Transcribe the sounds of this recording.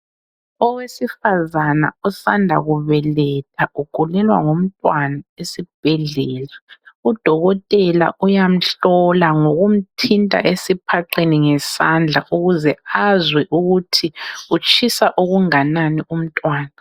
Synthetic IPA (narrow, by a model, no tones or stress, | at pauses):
ɔwesifazana̰ɔsandʱaɣuβɛlɛt̚ʼʰaʔuɡ̥ʱulɛlwa̰ŋom̩tʼwanaesib̥ʱɛɮɛːlaud̥ʱɔɣɔtʼɛla̰ʔujam̩ɬɔlaŋoɣum̩tʰintʼa̰ʔesipʰaǀeniŋɛsand͡ɮʱaʔuɣuzɛazwɛʔuɣutʰiut͡ʃʰʼisaʔuɣuŋananiʔum̩tʼwaːna